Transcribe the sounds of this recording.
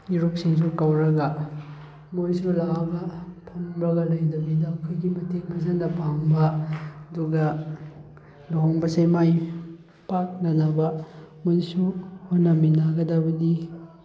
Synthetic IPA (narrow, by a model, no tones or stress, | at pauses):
iɾuk̚siŋs̬ukɐwɾɐɡɐ | mojsulabɐpʰɐŋbɾɐɡɐlɐjdɐbidɐkʰojɡimɐteŋmɐzaŋdɐpaŋbɐɐduɡɐ | loɦoŋbɐsejmaj | pak̚nɐnɐbɐmojsuhonɐminaɡɐdabɐni